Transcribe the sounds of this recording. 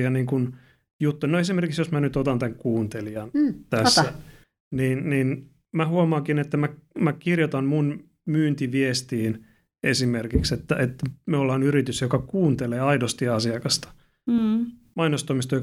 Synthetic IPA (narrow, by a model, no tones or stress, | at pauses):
ɑniːŋkun | jut̪ːuinoesimerkiksjosmænyt̪ot̪ɑnt̪æŋkkuːnt̪elijɑnt̪æsːæ | niːnniːn | mæhuɑmɑːŋkinet̪ːæmæmækirjot̪ɑnmun | myːnt̪iʋiest̪iːn | esimerkikset̪ːæʔet̪ːmeolːɑːnyɾit̪ysjokɑkuːnt̪eleːɑidost̪iɑsiɑkɑst̪ɑ̥ | mɑinost̪omist̪ojo